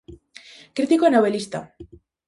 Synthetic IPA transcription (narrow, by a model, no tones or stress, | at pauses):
kɾit̪ikonoβelist̪a̰